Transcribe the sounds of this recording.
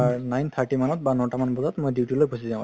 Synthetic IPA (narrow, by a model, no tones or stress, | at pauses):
anajnt̪ʰaɹʈimanɔt̪̚banɔʈamanbɔzɔt̪moɔjdiwtjulojbʱusizãw̃